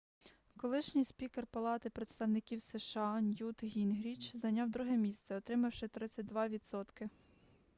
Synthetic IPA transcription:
kɔlˠɪʃnʲijspʲikerpɐlˠɑt̪ɪpɾet̪st̪ɐwnɪkʲiwseʃɑnʲjut̪ɦʲinɦɾʲit͡ʃzɐnʲɑwd̪ɾuɦɛmʲist̪sɛɔt̪ɾɪmɐwʃɪt̪ɾɪt͡sʲːɐtʲd̪ʋɑʋʲid̪sɔt̪kɪ

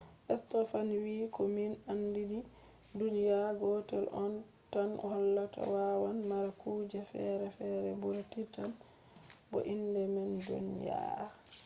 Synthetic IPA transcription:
ʔɛstɔfanwiːkɔminandidi | dunijaɡɔtɛlʔɔn | tanhɔlːata̰wawanmaɾakuːd͡ʒɛfɛɾɛfɛɾɛbuɾtitan | bɔ̰ʔindɛmɛndṵnja̰

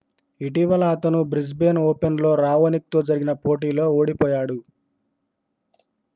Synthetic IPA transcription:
iʈiʋɐlɐːt̪ɐnubɾis̬be̞ːnoːpenlo̞ːɾaːʋɐnik̚t̪o̞ːd͡ʒɐɾiɡinɐpoːʈ̬iːlo̞ːoːɽipɔːjaːɽu

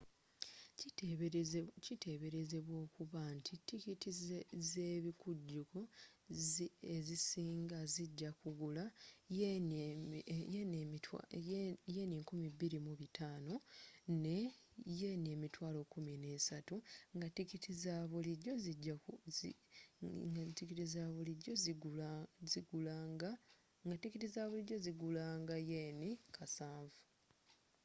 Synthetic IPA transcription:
citʰe̞βe̞ɾe̞ze̞βwo̞ːkuβantʰitikitizzeːβikuɟːuko̞ | ezisiːŋɡaziɟːakuɡula | jeːniŋkumiβiɾimuβitʰaːno̞ne̞ | jeːnie̞ːmitwaːlo̞ːkumine̞ːsatuŋɡatikitizaβulioziɟːa | tikitizaːβuliɟo̞zi | ziɡulaɡa | ŋɡatikitizaːβulioziɡulaːŋɡajeːnikʰasaːɱvu

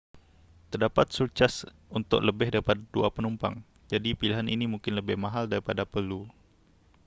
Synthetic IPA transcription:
t̪ərdapat̪̚surt͡ʃas | unt̪ʊ̰ʔləbɪhdaɾipadaduapənumpa̰ŋ | d͡ʒadipiliɦaninimuŋkɪnləbɪhmaɦaldaɾipadapərlu

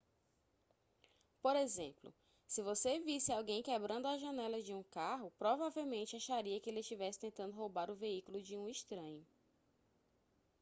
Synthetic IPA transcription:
poɾezḛ̃mplʊ̰ | sɪvosevisɪawɡẽj̃kebɾɐ̃nd̪ʊaʒɐ̃nɛlɐd͡ʒɪũkaɦʊpɾɔvavewmẽnt͡ʃɪaʃaɾiɐkɪelɪʃt͡ʃivɛsɪ̥t̪ẽnt̪ɐ̃nd̪ʊɦowbaɾʊveikulʊd͡ʒɪũiʃt̪ɾɐ̃ɲʊ

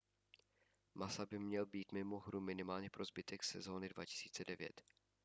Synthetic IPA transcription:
masabɪmɲɛlbiːt̪mɪmo̞ɦɾumɪnɪmaːlɲɛpɾozbɪt̪ɛksɛzo̞ːnɪdva̰cɪ̥siːt͡sɛdɛvjɛ̰t̪

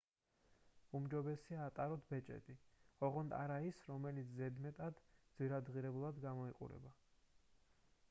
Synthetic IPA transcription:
umd͡ʒɔbɛsiaːt̪ʼaɾɔt̪ʰbɛt͡ʃʼɛ̰t̪ʼiɔʁɔnd̪a̰ɾaisɾɔmɛlit̪sʰzɛd̪mɛt̪ʼad̪d̪ziɾad̪ʁiɾɛbulˠad̪ɡamɔiqʼṵɾɛ̰ba

